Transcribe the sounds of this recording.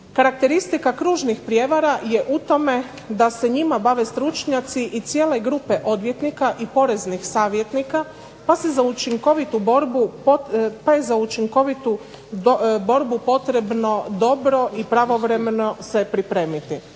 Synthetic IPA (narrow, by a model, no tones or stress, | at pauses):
kaɾak̚t̪e̞ɾist̪ikakɾuːʒnixpɾje̞ʋaɾajeʔut̪o̞me̞ | d̪ase̞ɲimabaʋe̞st̪ɾut͡ʃɲat̪siʔit̪sije̞ːle̞ɡɾuːpe̞ʔo̞d̪ʋjet̪nikaʔipo̞ɾe̞znixsaːʋje̞t̪nika | pasezaut͡ʃiŋko̞ʋit̪uboɾbu | paezaut͡ʃiŋko̞ʋit̪u | bo̞ɾbupo̞t̪ɾe̞bno̞d̪o̞bɾo̞ʔipɾaʋo̞ʋɾemeno̞sepɾipɾe̞ːmit̪i